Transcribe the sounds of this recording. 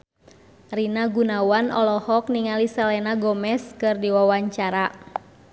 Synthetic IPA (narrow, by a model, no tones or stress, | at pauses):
rinaɡunawanɔlɔhɔk̚niŋalisalɛnaɡɔmɛskɨrdiwawaɲt͡ʃaɾa